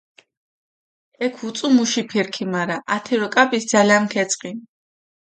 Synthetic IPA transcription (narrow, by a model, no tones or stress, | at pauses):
ɛkʰut̪sʼumuʃipʰiɾkʰimaɾaʔat̪ʰɛɾɔkʼapʼisd̪zalamkʰɛt̪sʼqʼi